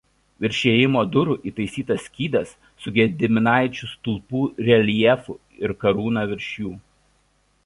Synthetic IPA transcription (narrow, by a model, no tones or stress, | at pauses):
ʋʲɪɾʲʃʲeːjɪmoːd̪ʊɾʊʔiːt̪ɐɪsʲiːt̪ɐsʲkʲiːd̪ɐsːʊɡʲɛd̪ʲɪmʲɪnɑˑɪt͡ʃʲʊst̪ʊlˠpuːɾʲɛlʲiɛfṵ | ɪɾkɐɾuːnɐʋʲɪɾʲʃʲjuː